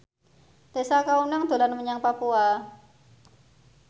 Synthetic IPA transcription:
d̪̥esakaunaŋd̪̥o̤lanməɲaŋpapua

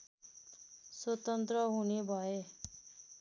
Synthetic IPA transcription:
swʌt̪ʌnt̪rʌɦunebʱʌe

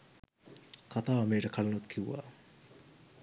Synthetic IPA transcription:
kʰɐt̪aːmeːʈəkʰɐlɐnut̪kʰiwʋa̰ː

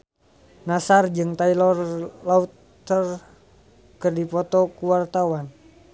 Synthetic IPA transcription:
nasard͡ʒɨŋt̪ailɔrlaut̪ː | ər | kɨrdipɔt̪ɔkuwart̪awan

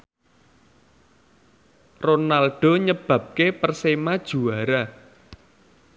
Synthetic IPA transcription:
ronalɖ̥ɔ̤ɲəb̥ä̤p̚kepərsemad̥ʒ̥ṳaɾa

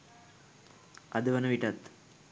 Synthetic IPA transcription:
ʔɐd̪ɯʋɐnɐʋiʈːɐt̪ː

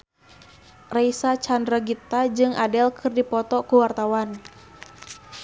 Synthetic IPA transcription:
raisat͡ʃandɾəɡit̪ad͡ʒɨŋʔadɛlkʰɨrdipɔt̪ɔkuwart̪awan

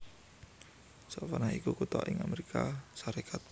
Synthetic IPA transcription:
sɔʔfanaikukut̪ɔ̰ʔɪŋameɾikʰasaɾekʰat̪̚

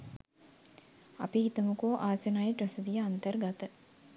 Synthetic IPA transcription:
apihit̪əmukoːʔaːsənajeʈɾəsəd̪ijəant̪ərɡat̪ə

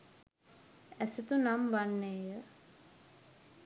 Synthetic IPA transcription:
æsət̪unamʋanːeːjə

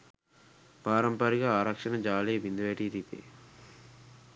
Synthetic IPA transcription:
paːɾɐmpɐɾiɡaaːɾɐkʂɐnɐd͡ʒaːleːʋind̪uʋeʈit̪it̪ḛ

